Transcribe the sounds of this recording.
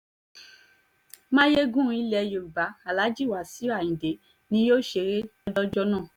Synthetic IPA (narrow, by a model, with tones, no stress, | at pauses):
mãː˦je˦ɡũ˦˧i˦lɛ˧˨jo˨ɾu˨ba˨˦a˨la˨˦d͡ʒi˦˨wa˨si˨˦a˦˨ĩ˨de˨˦ | nĩ˧˦jo˦ʃe˧ɾe˦ɔ˦dɔ˦d͡ʒɔ˦nã˦˨